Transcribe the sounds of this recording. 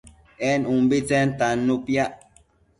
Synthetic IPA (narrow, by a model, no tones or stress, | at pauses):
ɛnumbit͡sɛn̩tanːupjaʔ